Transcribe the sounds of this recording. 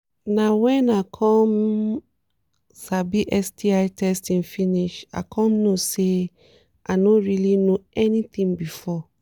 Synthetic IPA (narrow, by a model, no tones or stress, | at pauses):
nawɛ̃nakʰɔ̃m | sabiʔɛstiaɪtʰɛstĩnfĩniʃa̰kʰɔ̃mnose | ʔanõɹilinoɛnit̪ĩŋbifɔ